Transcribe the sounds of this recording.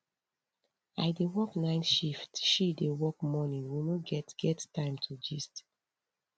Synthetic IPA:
a̰ɪdewɔknãɪ̃nʃiftʃidewɔk̚mɔnĩnwinoɡɛtɡ̥ɛttːãɪ̃mtʰud͡ʒist

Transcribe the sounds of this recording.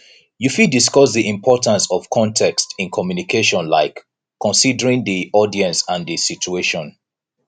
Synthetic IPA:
jufidiskɔsðiʔĩmpʰɔtãnsɔv̥kʰɔ̃ntʰɛkstĩnkʰɔmjunikʰeʃɔ̃nlaɪkː | ɔ̃nsidəɹĩŋðiʔɔdiɛ̃nsãnðisit͡ʃueʃɔ̃n

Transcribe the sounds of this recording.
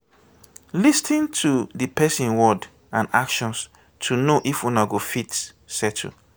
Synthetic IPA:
listʰĩntʰudipʰɛsĩnwɔd | ãnakʃɔ̃ns | tʰunoʔifɔ̃naɡofit | sɛtʰṵ

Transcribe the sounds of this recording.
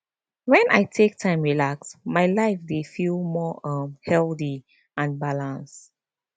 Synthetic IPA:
wɛ̃nʔajtʰek̚tʰãɪ̃mɹilaksmaɪlaɪfdefilmɔʔʌ̃mhɛlθi | ʔãnbalãns

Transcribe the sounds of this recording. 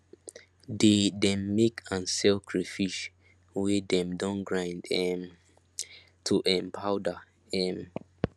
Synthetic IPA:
dedɛ̃mːekʰãnsɛlkʰɹifiʃ | widɛ̃mdɔ̃nɡɹãjndɛm | tʰuʔɛ̃mpʰaʊda | ɛm

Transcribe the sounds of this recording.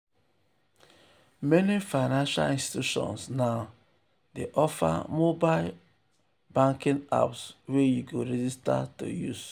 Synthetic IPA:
mɛnifaɪnãnʃa̰lĩnsti̥tuʃɔ̰̃nsnaʊ | deʔɔfa̰mobal | bãŋkĩŋa̰pswejuɡoɾɛd͡ʒista̰to̰jus

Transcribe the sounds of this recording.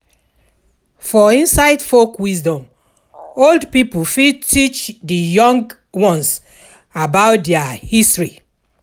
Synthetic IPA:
fɔĩnsaɪdfokwisdɔ̃m | oldpipufitʰit͡ʃdijɔ̃ŋɡ | wɔ̃ns | abaʊtdɛahistɹi

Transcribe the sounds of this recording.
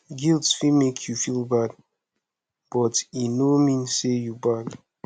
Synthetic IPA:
ɡilˠtsfimekʰjufilˠbad | b̥ɔtinomĩnsejubad

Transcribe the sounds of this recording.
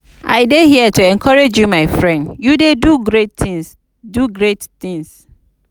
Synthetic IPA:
ʔa̰ɪdehiɛtuɛ̃nkʰɔɹed͡ʒjumaɪfɹɛ̃ndjudeduɡɹetĩs | duɡɹettĩŋs

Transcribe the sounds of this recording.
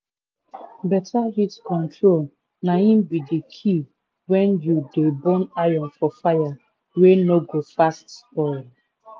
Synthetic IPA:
bɛtʰaɦitkɔ̃ntʰɹol | nahĩmbidikʰi | wɛ̃njudebɔ̃najɔ̃nfɔfaja | wenoɡofastspɔ

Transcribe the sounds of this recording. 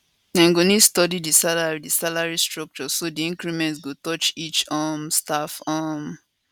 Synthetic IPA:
ãŋɡonistɔdidisalaɹidisalaɹistɹɔk̚t͡ʃɔsodiĩŋkɹimɛ̃ntsɡotɔt͡ʃit͡ʃɔmstafɔm

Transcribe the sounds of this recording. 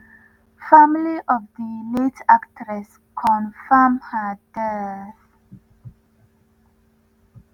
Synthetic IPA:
famliʔɔvðənetaktʰɹɛs | kʰɔ̃nfəmhədɛθ

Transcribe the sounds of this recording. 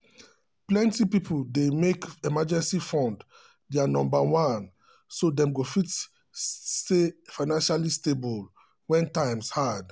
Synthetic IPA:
plɛ̃ntipipʰuldemekɛmad͡ʒɛ̃nsifɔ̃nd | dɛanɔ̃mbawãn | sodɛ̃mɡofit | stefaɪnãnʃalistebɔl | wɛ̃ntãɪ̃mshad

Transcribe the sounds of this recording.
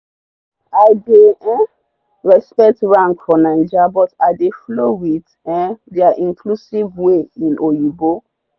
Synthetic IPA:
aɪdeɛ | ɹɛspɛk̚tɹãŋkfɔnãnd͡ʒabɔtaɪdeflowit | ɛ̃ndɛaʔĩnkʰlusivweĩnʔojubo

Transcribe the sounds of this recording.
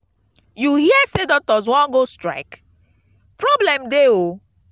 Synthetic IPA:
juhiɛsedɔk̚tɔz̬wɔ̃nɡostɹa̰ɪk | pɹɔblɛ̃mdeo

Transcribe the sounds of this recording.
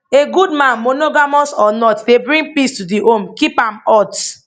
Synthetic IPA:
eɡudmãnmonoɡamɔsɔnɔtdebɹĩŋpistudiʔomkipãmɔt

